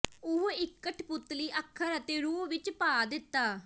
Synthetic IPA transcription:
ʊɦɪkːəʈʰpʊt̪ːliːʔəkʰːəɾət̪eːɾuːpʋɪt͡ʃpaːd̪ɪt̪ːaː

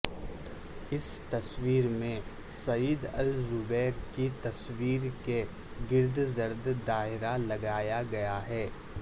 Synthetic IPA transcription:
ɪst̪ɐswiːɾmẽ | sɐjiːd̪ɐ̰lzʊbɛːɾkit̪ɐswiːɾke | ɡɪɾd̪ʱzɐɾd̪d̪aːɦɪɾalɐɡaːjaɡɐjaɦɛː

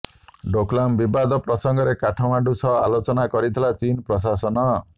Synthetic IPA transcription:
ɖoklambibad̪ɔpɾɔsɔŋɡɔɾekaʈʰɔw̃aɖusɔa̰lot͡ʃɔnakɔɾit̪ʰilat͡ʃinpɾɔs̬asɔnɔ

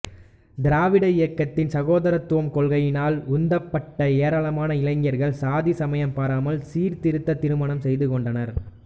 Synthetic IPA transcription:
d̪ɪɾaːʋɪɽɐɪjɐkːɐt̪ːɪnsɐɣoːðɐɾɐt̪ːʊʋɐmkɔɭɣɐjɪnaːlʊnd̪ɐpːɐʈːɐeːɾaːɭɐmaːnɐɪlɐŋɡɐɾɣɐɭsaːðisɐmɐjɐmpaːɾaːmɐlsiːɾt̪ɪɾɯt̪ːɐt̪ːɪɾɯmaːɳɐmsɛjðɯkɔɳɖɐnɐɾ

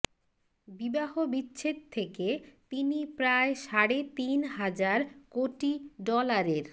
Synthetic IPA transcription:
bibaɦobitːɕʰet̪t̪ʰːeket̪inipɾaeʃaɽet̪inɦad͡ʑaɾkoʈiɖɔlaɾeɾ

